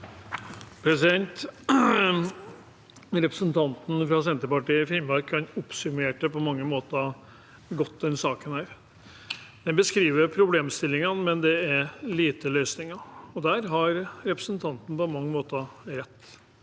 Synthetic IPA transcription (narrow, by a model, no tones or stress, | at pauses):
pʰɾɛsɪd̪ɛnt̪ | ɾɛpɾəsənt̪ʰɑnt̪n̩fɾɑs̬ɛnt̪əpɑʈiːɪfɪmɑɾkʰːɑnʊpsʉmeːʈəpɔmɑŋːəmoːt̪ɑ | ɡɔt̪ːd̪ɛnsɑːkənæːɾ | d̪̥ɛnbəskɾiːʋəɾpʰɾʊbleːmst̪ɪlːɪŋənmɛnd̪ɛæɾliːt̪əlœʏsnɪŋɑɔd̪æːɾɦɑɾɾɛpɾəsənt̪ʰɑnt̪n̩pɔmɑŋːəmoːt̪əɾɛt̪ː